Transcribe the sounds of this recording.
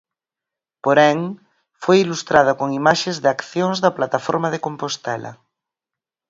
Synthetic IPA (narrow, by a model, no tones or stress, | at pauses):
poɾɛŋ | fojilust̪ɾað̞ʊkoŋimaʃezðakθjoŋzðɐplat̪afo̰ɾmɐðɪkompost̪ɛlɐ̰